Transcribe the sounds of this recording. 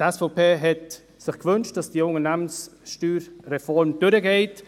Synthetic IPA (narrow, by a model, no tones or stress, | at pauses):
tɛsfoʊpʰeːɦɛt | sɪχkvʏnʃt̚d̥ɑsd̥iəʊŋənæmənsʃtyːɾʁɛfɔɾmd̥ʏɾəɡeɪt